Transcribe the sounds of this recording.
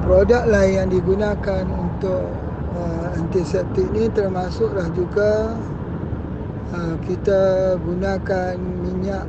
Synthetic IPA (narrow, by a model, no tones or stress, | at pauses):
pɾodak̚lahjaŋdiɡunakanunt̪ʊʔ | əant̪isɛt̪ɪk̚nit̪ərmasʊklahd͡ʒuɡa | əkit̪aɡunakan | miɲaʔ